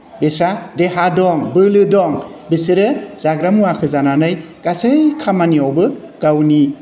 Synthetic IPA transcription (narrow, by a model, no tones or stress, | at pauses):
besadeɦadɔŋbɯlɯdɔŋ | besɯɾɯz̥aɡɾamuakʰɯzananɯj | ɡ̥asɯjkʰamaniɔwbɯ | ɡ̥awni